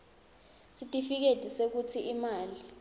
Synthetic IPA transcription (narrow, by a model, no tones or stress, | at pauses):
sitʼifik̬edʱisek̬utʰiimaːli